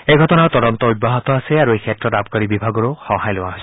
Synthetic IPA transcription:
ejɡʱɔtɔnaɹt̪ɔdɔnt̪ɔuj̚bːaɦɔt̪ɔasɛaɹuejkʰɛtɹɔtab̚kaɹibibʱaɡɔɹʊxɔ̃hajlowaɦos

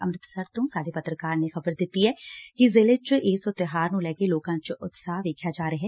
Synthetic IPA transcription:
əmɾɪt̪səɾt̪õːsaːɽeːpət̪ɾəkaːɾnẽxəbəɾd̪ɪt̪ːiɦɛːkizɪːlet͡ʃeːsʊt̪ɪɦaːɾnũːlɛːkeloːkãːt͡ʃʊt̪saːʋeːkʰjaːd͡ʒaːɾəɦɛː

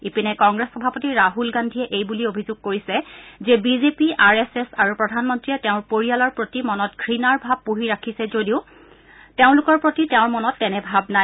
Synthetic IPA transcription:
ipinɛkɔŋɡɹesxɔbʱapotiɹaɦulɡandʱiɛʔejbuliobʱizʊɡ̚koɹisɛzɛbizepiaɹesesaɹupɹɔdʱanmɔntɹiɛtɛʊ̃ɹpoɹijalɔɹpɹotimɔnɔtɡʰʱɹinaɹbʱab̚ːuɦiɹakʰisɛzodiʊ | teʊ̃lʊkɔɹpɹotitɛʊ̃ɹmɔnɔtːɛnɛbʱabnaj

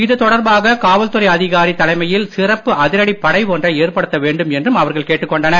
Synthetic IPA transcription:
ɪðɯt̪ɔɽɐɾbaːɣɐkaːʋɐlt̪ɯrɐɪɐðɪɣaːɾit̪ːɐlɐɪmɐjɪlsɪrɐpːɯʔɐðɪɾɐɽipːɐɽɐɪpoːndrɐeːrpɐɽɯt̪ːɐʋeːɳɖɯmɛndrɯmɐʋɐɾɣɐɭkeːʈːɯkːɔɳɖɐnɐ

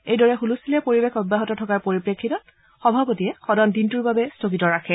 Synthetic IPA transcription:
ejdɔɹɛxulusilɛpoɹibekʰɔbːaɦɔtɔtʰɔkaɹpoɹipɹekʰːitɔt̚ | xɔbʱapotiɛxɔdɔndintuɹbabɛstokitɔɹakʰɛ

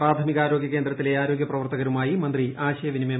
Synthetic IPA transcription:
raːd̪ʱʰɐmiɣaːɾo̞ːɡjɐke̞ːnd̪rɐt̪ːile̞aːɾo̞ːɡʲjɐprɐʋɐrt̪ɐɣɐɾumaːjimɐnd̪riʔaːɕɐjɐʋinime

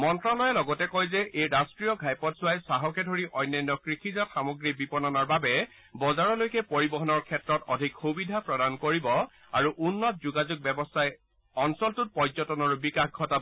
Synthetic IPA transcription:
mɔntɹalɔjɛlɔɡɔtɛkɔjzɛʔejɹastɹijɔɡʱajpɔtsʊwajsaɦɔkɛdʱoɹiʔɔjnːanːɔkɹixʰizaxamɔɡɹibipɔnɔnaɹbabɛ | bɔzaɹɔlojkɛpoɹibɔɦɔnɔɹkʰɛtɹɔtɔdʱikxubidʱapɹɔdankoɹibɔ | aɹuʔunːɔt̚zuɡazuɡ̚bɛbɔstʰaj | ɔnsɔltʊt̚pɔzɔtɔnɔɹbikaxɡʱɔta

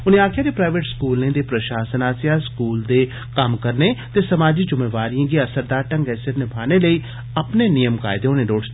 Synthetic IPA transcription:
ʊnẽaːkʰɪjãd̪epɾaːɪʋeːʈskuːlnẽːd̪epɾəʃaːsənaːsjaːskuːld̪e | kəmkəɾnet̪esəmaːd͡ʒid͡ʒʊmeːʋaːɾijãːɡiɐsəɾd̪aːɾʈə̃ŋɡɛːsɪɾnɪbʰʱaːneləi | ɐpnenɪjəmka̰ːɪd̪eʊnẽɖoːɖ

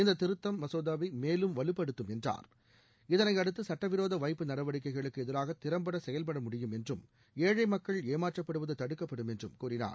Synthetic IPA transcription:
ɪnd̪ɐt̪ːɪɾɯt̪ːɐmːɐsoːðaːʋimeːlɯmʋɐlɯpːɐɽɯt̪ːɯmɛndra̰ːɾ | ɪðɐnɐɪɐɽɯt̪ːɯsɐʈːɐʋɪɾoːðɐʋɐɪpːɯnɐɽɐʋɐɽɪk̬ːɐɪɣɐɭɯkːɯɛðɪɾaːɣɐt̪ːɪɾɐmbɐɽɐsɛjɐlpɐɽɐmʊɽɪjɯmɛndrɯm | eːɻɐɪmɐkːɐɭeːmaːʈrɐpːɐɽɯʋɐðɯt̪ɐɽɯkːɐpːɐɽɯmɛndrɯmkuːɾɪna̰ːɾ

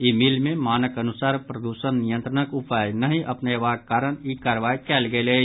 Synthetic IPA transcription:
imilmẽmaːnəkɐnʊsaːɾpɾəd̪uːʃənːijə̃nt̪ɾənəkʊpaːjnɐɦĩʔɐpneʋakaːɾəñikaːɾʋaːjkɛːlɡele

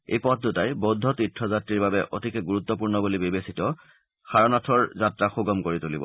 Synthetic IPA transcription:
ḛjpɔt̚ʰdutajbodʱːɔtitʰːɹɔzatɹiɹbabɛʔotikɛɡuɹut̪ːɔpuɹnɔbulibibesitɔ | xaɹɔnɔtʰɔɹzatɹaxuɡɔmkoɹitulibɔ̰

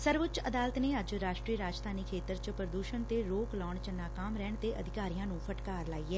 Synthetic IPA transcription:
səɾʋʊt͡ʃəd̪aːlət̪neːəd͡ʒɾaːʃʈɾiːəɾaːd͡ʒt̪ʰaːniːkʰeːt̪əɾt͡ʃpɾəd̪uːʃənt̪eːɾoːklɔːɳt͡ʃənaːkaːmɾɛːɳt̪eːʔə̰d̪ʱɪkaːɾijãːnũːpʰəʈkaːɾlaːiːɛː

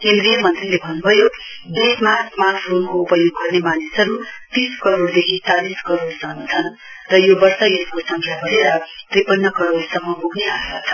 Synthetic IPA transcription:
kẽnd̪rijʌmʌnt̪rilebʱʌnːubʱʌjo | bismasmarpʰonkoupʌjoɡːʌrnemanisʌɾut̪iskʌɾoɽd̪ekʰit͡saliskʌɾoɽsʌnt͡sʰʌn | rʌjobʌrsʌjeskosʌŋkʰjabʌɾeɾʌt̪ripʌnːʌkʌɾoɽsʌmːʌmuɡneaekat͡sʰʌ̥

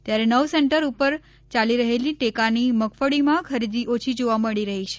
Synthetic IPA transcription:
t̪jaɾenəʋseɳʈəɾupəɾ | t͡ʃaliɾəɦeliʈekaniməkfəɽimãkʰəɾid̪iʔot͡ʃʰid͡ʒoʋaməɭiɾəɦit͡ʃʰe

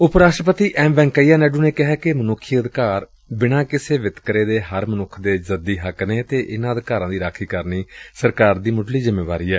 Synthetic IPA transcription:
ʊpɾaːsʃʈɾəpət̪iːʔɛːmʋɛ̃ːŋkəiːjaːnɛːɖuːneːkɪɦɛːkɪmənʊkʰːijəd̪kaːɾ | bɪɽ̃ãːkɪseːʋɪt̪kɾeːd̪eːɦəɾmənʊkʰːd̪eːzəd̪iːɦəkneːt̪eːʔɪnãːəd̪kaːɾãːd̪iːɾaːkʰiːkəɾniːsəɾkaːɾd̪iːmʊɖliːzɪmːeːʋaːɾiːɛː

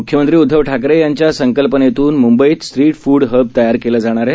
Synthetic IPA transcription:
ukʰjəmənt̪ɾiːud̪ʱːəʋʈʰakɾejaɲt͡ɕjasəŋkəlpənet̪uːnmumbəiːt̪stʈɾiːʈfuːɽɦəb̚t̪əjaɾkeləːd͡zaɽ̃aɾe

